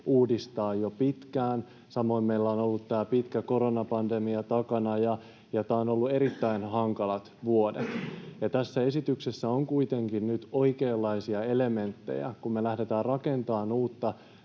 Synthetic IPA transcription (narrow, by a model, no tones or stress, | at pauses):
uːdist̪ɑːjjopit̪kæːn | sɑmo̞immeilːæonolːut̪tːæːpit̪kæko̞ɾonɑpɑndemiɑt̪ɑkɑnɑjɑ | jɑt̪æːono̞lːue̞ɾit̪ːæinhɑŋkɑlɑt̪ʋuodet̪jɑt̪æsːæe̞sit̪yksesːæoŋkuit̪e̞ŋkinnyt̪o̞ikeːlːɑisiɑe̞le̞me̞nt̪ːḛjæ̰kummelæhde̞t̪æːrrɑke̞nt̪ɑːnuːt̪ːɑ